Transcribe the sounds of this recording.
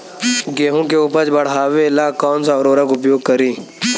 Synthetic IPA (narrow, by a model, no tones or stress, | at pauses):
ɡeːɦũːkeːʊpət͡ʃbəɽ̤aːʋeːlaːkɔːnsãːɾoːɾakʊpjoːɡ̚kəɾiː